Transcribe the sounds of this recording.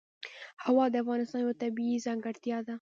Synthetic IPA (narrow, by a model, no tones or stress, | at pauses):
hawɑd̪əafɣɑnɪst̪ɑnjat̪abiizɑŋɡaɽt̪jɑd̪a